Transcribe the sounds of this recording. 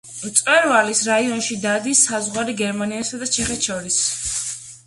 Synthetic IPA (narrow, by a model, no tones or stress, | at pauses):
t̪sʼwɛɾvalisɾaiɔnʃid̪ad̪isːazʁwaɾiɡɛɾmaniasad̪at͡ʃʰɛχɛt̪ʃɔɾis